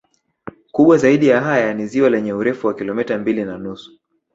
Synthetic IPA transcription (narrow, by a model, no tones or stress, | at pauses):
kuɓwazaiɗijaɦajaniziwalɛɲɛuɾɛfuwakilɔmɛtambilinanusu̥